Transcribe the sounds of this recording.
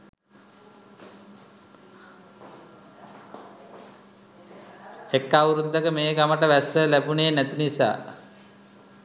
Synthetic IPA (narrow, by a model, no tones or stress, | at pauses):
ekːauɾund̪əkəmeːɡaməʈəʋæsəlæbuneːnæt̪inisa̰ː